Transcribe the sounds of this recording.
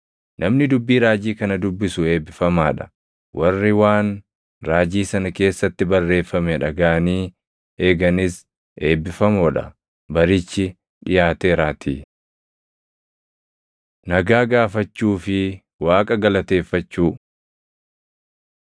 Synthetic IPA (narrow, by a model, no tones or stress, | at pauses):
nʔɐmnɪd̪ʊbːiːɾaːd͡ʒiːkɐnɐd̪ʊbːɪsʊe̞ːbɪfɐmaːᶑɐ̥ | wʔɐrːɪwaːn | ɾaːd͡ʒiːsɐnɐke̞ːsːɐt̪ːɪbɐrːe̞ːfːɐmɛᶑɐɡaːniː | e̞ːɡɐnɪs | e̞ːbːɪfɐmɔᶑɐ̰ | bɐɾɪt͡ʃːɪ | ᶑɪjaːt̪e̞ːɾaːt̪ʰiː | nɐɡaːɡaːfɐt͡ʃːuːfɪ | waːkʼɐɡɐlɐt̪e̞ːfːɐt͡ʃːuː